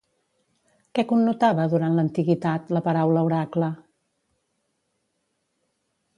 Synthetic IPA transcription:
kɛkunːut̪aβəðuɾant̪lənt̪iɣit̪at̪ləpəɾawləuɾaklə

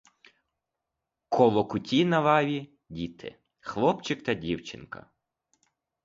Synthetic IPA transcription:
kʰɔlˠɔkʊtʲinɐʋɑʋʲi | dʲit̪ʰɪ̰ | xlˠɔpt͡ʃɪkt̪ɐdʲiwt͡ʃɪ̰nkɐ̰

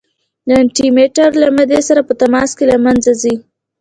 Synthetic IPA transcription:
d̪əɳʈimeʈaɾlamad̪esaɾapət̪amɑskelamanzazi

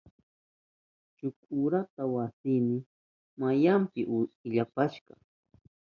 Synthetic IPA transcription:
t͡ʃʊkʊɾat̪awasɪmɪ | majampɪʔɪʎapaʃkɑ̰

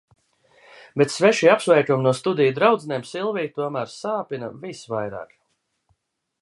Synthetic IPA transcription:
bet̪svɛʃiapsvɛjkʲumnuɔst̪ud̪ijd̪ɾawd̪znʲɛːmsilˠvijt̪uɔmæːɾsaːpinɐvisvajɾa̰ːk

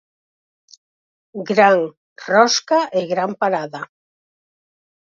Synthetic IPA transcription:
ɡɾaŋ | rɔskaʔeɣɾampaɾaða

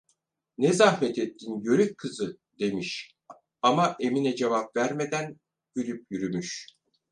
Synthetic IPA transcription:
nezahmɛt̪ʰet̪ʰːinjøɾyc̚kʰɯzɯ | d̪e̞miʃ | amaʔe̞minɛd͡ʒevapvæɾme̞d̪æn | b̥ylyp̚jyɾymyʃ

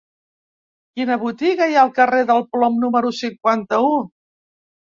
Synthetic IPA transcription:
kinəβut̪iɣəjaəlˠkəreðəlˠplɔmnuməɾusiŋkwant̪əu

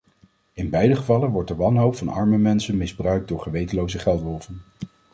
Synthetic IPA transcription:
ɪnbɛjdəχəvɑlənʋɔɹtdəʋɑnɦowpfɑnɑ̰ɹməmɛnsənmɪzbrœɥk̚dʊːɹχəʋejtəlowzəχɛlˠtʋɔlˠvən

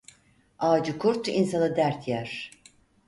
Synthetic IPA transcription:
aːd͡ʒɯkʰuɾt̪insanɯd̪æɾt̪ʰjæɾ̥

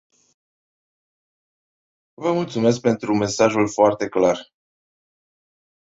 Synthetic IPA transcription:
vəmult̪sume̞s̬k̚pe̞nt̪ɾume̞saʒulfoart̪e̞klar

